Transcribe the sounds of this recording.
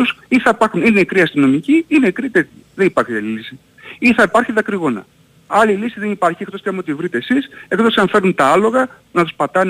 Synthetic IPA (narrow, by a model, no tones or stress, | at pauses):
usiθɐipɐɾxunine̞kɾiɐst̪ino̞miciinekɾit̪eiðenipɐɾçɐlilisi | iθɐipɐɾçiðɐkɾiɣo̞nɐ̰ | ɐlilisiðenipɐɾçiekt̪ost̪eɐmot̪ivɾit̪eːsisekt̪osɐɱfe̞ɾunt̪ɐɐlo̞ɣɐ | nɐt̪uspɐt̪ɐn